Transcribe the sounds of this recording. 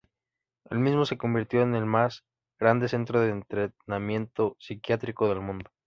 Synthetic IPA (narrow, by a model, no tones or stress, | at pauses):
e̞̰lmizmo̞se̞ko̞mbiɾt̪joene̞lmaz | ɣ̥ɾand̪e̞se̞nt̪ɾoðeːnt̪ɾenamje̞nt̪o̞sikjat̪ɾiko̞ðe̞lmũnd̪o